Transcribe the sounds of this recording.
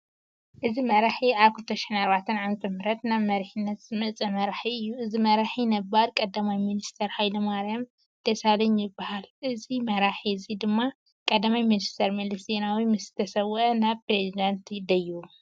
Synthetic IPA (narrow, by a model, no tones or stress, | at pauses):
ʔɨzimɐɾaħiaβkʰɨlt̪ʰɐʃi̥ħinaɾβat̪ʰɐnʕamt̪ʰʼɐmɨɾɐt̪naβmɐɾħinːɐt̪zɨmɐt͡sʼɐmɐɾħiɨjːuɨzimɐɾaħinɐbːaɾkʼɐd̪ːamajminist̪ʰɐɾhajlɐmaɾjam | d̪̥ɐsalɐɲjɪbahalɨzimɐɾaħiɨzid̪ɨmːa | kʼɐd̪ːamajminist̪ʰɐɾmɐlɐsinawimɨsɨ̥t̪ʰɐsɐwʔɐnaβpɾezid̪ant̪ʰd̪ɐju